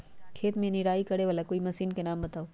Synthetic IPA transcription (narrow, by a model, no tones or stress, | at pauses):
kʰeːt̪mẽnɪɾaːikɐɽeʋaːlakoːimɐsiːnkenaːmbɐt̪aːoː